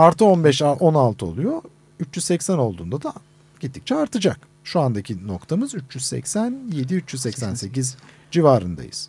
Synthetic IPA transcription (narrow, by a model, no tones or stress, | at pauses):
aɾt̪ʰɯo̞nbɛʃaʔo̞nalˠt̪ʰɯo̞̰lˠujo | yt͡ʃjyzsɛcsæno̞lˠd̪uːnd̪ad̪a | ɟ̥it̪ʰːi̥c̚t͡ʃʰɛaɾt̪ʰɯd͡ʒak̚ | ʃuand̪acʰino̞kt̪ʰamɯzyt͡ʃjyzsɛ̰csænje̞d̪iyt͡ʃjyzsɛcsænse̞ciz | d͡ʒivaːɾɯnd̪a̰jɯ̰z̥